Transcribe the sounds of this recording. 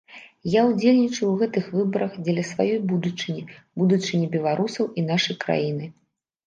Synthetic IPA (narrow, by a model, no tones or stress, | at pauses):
jawd͡zʲelʲnʲit͡ʂɐwɣɛt̪ɨxvɨbɐɾɐxd͡zʲɛlʲɐsvajɔjbud̪ut͡ʂɨnʲibud̪ut͡ʂɨnʲibʲɛlˠaɾusɐwʔin̪aʂɐjkɾa̰jin̪ɨ